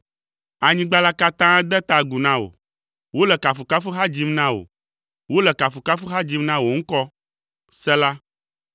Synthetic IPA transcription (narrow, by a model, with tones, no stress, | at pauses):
a˨ɲĩ˦ɡ͡ba˦la˦ka˦t̪ã˦d̪ɛ˦t̪a˨ɡu˨nã˦wo̰˨ | wo˦lɛ˨ka˨fu˨ka˦fu˦ɦa˦d͡ʑi˦mnã˦wo̰˨ | wo˦lɛ˨ka˨fu˨ka˦fu˦ɦa˦d͡ʑi˦mnã˦wo˨ŋ̩˦kɔ˦ | sɛ˦la˦